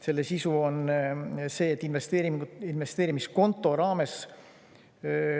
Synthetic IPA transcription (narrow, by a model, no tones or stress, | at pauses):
se̞lːesisuo̞n | se̞ːet̪ːˑinve̞st̪eːɾiinve̞st̪e̞ːɾimisko̞nt̪ːˑo̞ɾɑːme̞s